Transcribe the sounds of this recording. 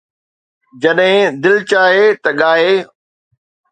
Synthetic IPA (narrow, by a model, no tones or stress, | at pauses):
d͡ʑɐɗɦɪ̃d̪ɪlt͡ɕaːɦet̪ɐɠaːɦeː